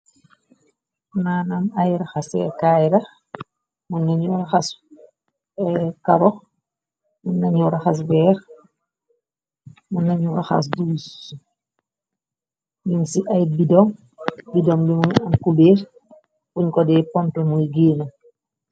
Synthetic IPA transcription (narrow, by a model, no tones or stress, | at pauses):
naːnamajɾaxasɛ̰kajɾɐ | munːaɲuɾaxas | kaɾɔx | munːaɲuɾaxas̬bɛːɾ | munːaɲuɾaxa̰s̬dus | jinsiʔajbidɔm | bidɔmdimunankubeːɾ | kuɲkɔdɛpɔntɛmujɡeːna